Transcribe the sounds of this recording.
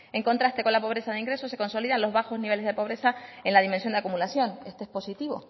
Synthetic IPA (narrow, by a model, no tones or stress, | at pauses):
e̞ŋko̞nt̪ɾast̪e̞ko̞nlapo̞βɾe̞saðeiŋɡɾe̞sose̞ko̞nso̞liðanlo̞zβaxo̞zniβe̞lezðe̞po̞β̞ɾe̞saenlað̞imẽnsjo̞neakumulasjo̞ne̞st̪oehpo̞sit̪iβo̞̰